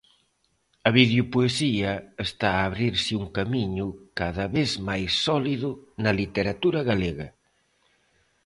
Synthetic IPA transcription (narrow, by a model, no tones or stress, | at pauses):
ɐβiðjupuesiɐest̪aːβɾiɾsɪuŋkamiɲʊkaðɐβezmajsːɔliðʊnɐlit̪eɾat̪uɾɐɣaleɣɐ